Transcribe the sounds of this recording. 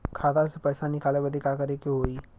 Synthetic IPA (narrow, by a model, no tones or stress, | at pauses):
kʰaːd̪asepɛːsanɪkaːlebəd̪ʱikaːkɐɾekeɦoːiː